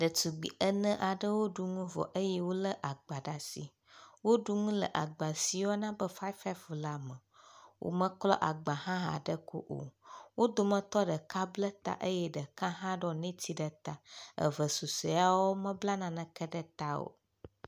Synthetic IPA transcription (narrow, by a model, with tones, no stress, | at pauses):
ɖə˨tu˨ɡ͡bi˨ʔə˦nə̃˦ʔa˨ɖə˦wo˦ɖu˦ŋũ˦vɔ̰˨ʔə˦jɛ˦wo˦lə˦ʔa˨ɡ͡ba˨ɖa˨si˨ | wo˦ɖu˦ŋũ˦lə̰˨ʔa˨ɡ͡ba˨si˨wɔ˦nã˦bə˦fa˦fa˦vla˨mə̃˨wʔo̰˦mə̃˦klɔ˦ʔa˨ɡ͡ba˨hã˦ɦã̰˨ɖə˦ko̰˦ʔo̰˨wo˦d̪o˦mə̃˦t̪ɔ˦ɖə˨ka˦blə˦t̪a̰˦ʔə˦jɛ˦ɖə˨kã˦ɦã˦ɖɔ˦nɛ̃˦t̪ʰi˦ɖə˨t̪a˦ə̰˨və˨su˨se˨a˦wɔ˦mə̃˦bla˦nã˨nə̃˨kə˦ɖə˦t̪a˦o̰˨